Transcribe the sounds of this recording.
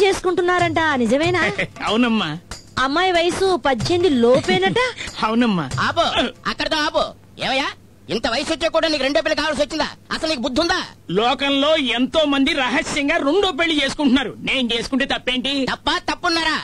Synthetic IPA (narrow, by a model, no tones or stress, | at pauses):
t͡ʃe̞ːsu̥kuɳʈunːaːɾɐɳʈaːnid͡ʒɐmɐjnaɐwunɐmːaːɐmːaːjʋɐjɐsupɐɲt͡ʃeːnd̪iloːpeːnɐʈːaɐwunɐmːa̰ːaːpoɐ̰kːɐɽɐt̪oːaːp̬o | eːmɐjaː | int̪ɐʋɐjɐsʋɐt͡ʃːeːkuːɽaːniːkuɾeɳɖoːp̬elːɐk̬aːʋaːlɐs̬ʋɐt͡ʃːind̪a̰ːɐ̰sɐlniːk̬ubud̪ʱːund̪aːlɔːkɐnlo̞ːent̪o̞ːmɐnd̪iɾɐɦɐsjɐŋɡaːɾuɳɖoːp̬elːit͡ʃe̞ːsu̥kuɳʈunːaːɾune̞ːnut͡ʃeːsu̥kuɳʈeːt̪ɐpːeːɳʈit̪ɐpːat̪ɐpːunːaːɾaː